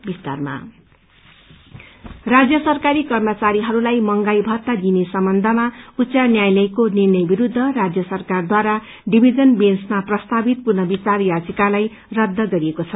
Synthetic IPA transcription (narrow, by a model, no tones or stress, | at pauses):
bist̪a̰rma̰ | rad͡zjʌsʌrkaɾikʌrmʌt͡saɾiɦʌɾulajmʌŋɡajbʱʌrt̪ad̪inesʌmbʌnd̪ʱʌmaut͡sanjajlʌjkonirnʌjbiɾud̪ʱːʌrad͡zjʌsʌrkard̪waɾa | ɖibʱid͡zʌnbensmaprʌst̪abit̪̚purnʌbit͡sarjad͡zʌkalaj | rʌd̪ʱːʌɡʌɾiekot͡sʰʌ